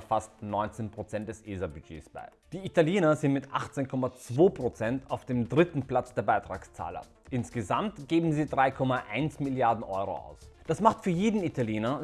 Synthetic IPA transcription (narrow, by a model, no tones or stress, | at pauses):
fastnɔʏnt͡seːnpʁ̥ot͡sɛnt̚d̥ɛsʔeːzabyd͡ʒḛːsb̥a̰ɪd̥iːitaljeːnɐzɪntmɪtʔa̰χt͡seːnkʰɔmat͡sv̥oːpʁ̥ot͡sɛntaʊfd̥eːmdʁɪtn̩pl̥at͡sd̥eːɐbaɪtʁ̥aːkst͡sa̰ːlɐ̰ | ʔɪnsɡ̥əzamtɡ̥eːbm̩ziːdʁaɪkʰɔmaʔaɪnsmɪljaɐdn̩ʔɔʏʁo̰ʔa̰ʊsd̥asmaχtfyːɐjeːdn̩itʰaljeːnɐ